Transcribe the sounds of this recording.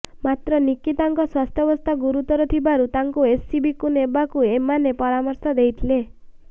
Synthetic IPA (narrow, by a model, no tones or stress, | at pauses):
mat̪ɾɔnikit̪aŋkɔswast̪ʰjɔbɔst̪ʰaɡuɾut̪ɔɾɔt̪ʰibaɾut̪aŋkuesːibikunebakuemanepɔɾamɔɾsɔd̪ejt̪ʰle